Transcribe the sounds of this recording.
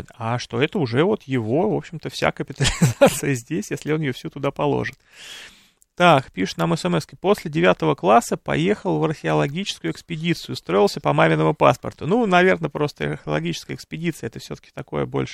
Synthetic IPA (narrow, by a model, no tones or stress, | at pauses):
t̪aʂt̪o̞ɛt̪əʊʐɛvo̞t̪jɪvo̞vo̞pɕɪmt̪əfsʲa̰kəpʲɪt̪əlʲɪzat̪sɨjəzʲdʲesʲjesʲlʲɪo̞njɪjofsʲut̪ʊd̪apɐlˠo̞̰ʐɨt̪ | t̪ːakpʲiʂɨ̥t̪naməsɛmɛskəjpo̞sʲlʲɪdʲɪvʲat̪əvəklˠasːəpɐ̰je̞xəlˠvɐrxʲɪɐlˠɐɡʲit͡ɕɪ̥skʊjʊɪkspʲɪdʲit̪sɨjʊst̪ɾo̞ɪlˠsʲəpɐmamʲɪnəmʊpa̰spə̰rt̪ʊnunɐvʲe̞rnəpɾo̞st̪ə̰rxʲɪɐlˠɐ̰ɡʲit͡ɕɪ̥skəjəɪkspʲɪdʲit̪sɨəɛt̪əfsʲɵt̪ə̥kʲɪ̥t̪ɐko̞̰jə̰bo̞̰lʲʂ